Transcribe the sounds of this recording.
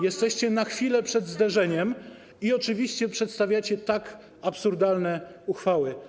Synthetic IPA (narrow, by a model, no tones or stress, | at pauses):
jɛst̪ɛɕt͡ɕɛnaxfʲilɛpʂɛd̪zd̪ɛʐɛɲɛm | iɔt͡ʂɘvʲiɕt͡ɕɛpʂɛt̪st̪avʲjat͡ɕɛt̪ak | apsuɾd̪alnɛuxfawɘ